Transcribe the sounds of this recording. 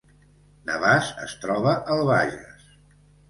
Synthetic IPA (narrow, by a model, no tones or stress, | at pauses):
nə̰βasə̰st̪ɾɔβəʔəlˠβaʒə̰s